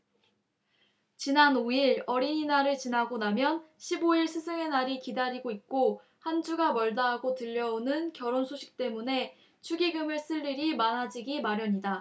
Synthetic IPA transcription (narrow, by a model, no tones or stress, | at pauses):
t͡ɕinanoiɾʌɾiɲinaɾɯɭt͡ɕinɦaɡonamjʌnɕʰiboiɭsʰɯsʰɯŋe̞naɾikidaɾiɡoik̚k͈o | hand͡ʑuɡamʌɭdaɦaɡotɯʎːʌonɯnkjʌɾonsʰoɕʰi̥k̚t͈e̞mune̞ | t͡ɕʰuɡiɡɯmɯɭs͈ɯʎːiɾimanɦad͡ʑiɡimaɾjʌɲida